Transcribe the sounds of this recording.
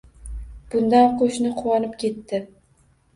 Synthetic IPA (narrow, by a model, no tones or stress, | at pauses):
b̥ʊnd̪anqʰoʃnɪqʰʊwɑnɪpkʲʰe̞t̪ːɪ